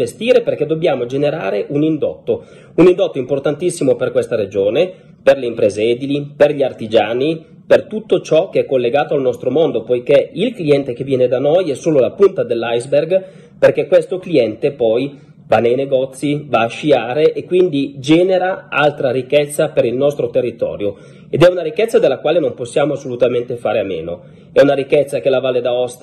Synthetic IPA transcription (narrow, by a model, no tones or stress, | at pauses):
est̪iːɾeperk̟ed̪ːobjaːmod͡ʒeneɾa̰ːɾeʔunind̪ɔt̪ːo | unind̪ɔt̪ːoimport̪ant̪isːimoperkwest̪aɾed͡ʒoːne | perleimpɾeːzeeːd̪iliperʎiart̪id͡ʒaːni | pert̪ut̪ːot͡ʃɔkːeɛkːolːeɡaːt̪oalnɔst̪ɾomond̪opojkeilkliɛnt̪ek̟evːjɛːned̪anojɛsoːlolapunt̪ad̪elːajzberɡ | perkekːwest̪okliɛnt̪epɔj | vanejneɡɔt̪sːivaːʃːiaːɾeʔekːwind̪id͡ʒɛːneɾaa̰lt̪ɾaɾikːɛt̪sːapeɾilnɔst̪ɾot̪erːit̪ɔ̰ːɾjo | ed̪ɛunaɾikːɛt̪sːad̪elːakwaːlenomposːjaːmoasːolut̪ament̪efaːɾeamḛːno | ɛunaɾikːɛt̪sːakelavaːled̪aɔst̪